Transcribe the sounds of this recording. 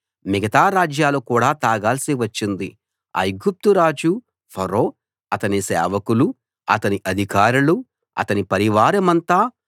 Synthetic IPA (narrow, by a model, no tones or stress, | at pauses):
miɡɐt̪aːɾaːd͡ʒjaːlukuːɽaːt̪aːɡaːlsiʋɐt͡ʃːind̪i | ɐ̰jɡup̚t̪uɾaːd͡ʒu | pʰɐɾoː | ɐt̪ɐnisɛ̰ːʋɐkulu | ɐ̰t̪ɐniʔɐd̪ʱikaːɾulu | ɐ̰t̪ɐnipɐɾiʋaːɾɐmɐnt̪a